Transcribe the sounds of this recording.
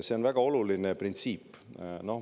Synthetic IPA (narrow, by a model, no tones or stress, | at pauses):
se̞onvæɡ̥ɑo̞lulineprint̪siːpː | no̞h